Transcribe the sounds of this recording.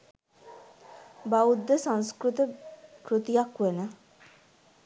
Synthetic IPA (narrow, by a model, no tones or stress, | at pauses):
baud̪ːəsãnskɾut̪əkɾut̪ijakʋenə